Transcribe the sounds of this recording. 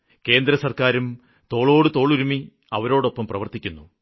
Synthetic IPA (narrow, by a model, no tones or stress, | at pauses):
ke̞ːnd̪ɾɐsɐrkaːɾum | t̪o̞ːɭo̞ːɽɨt̪oːɭuɾumi | ɐʋɐɾo̞ːɽo̞pːɐmprɐʋɐrt̪ikʲːunːu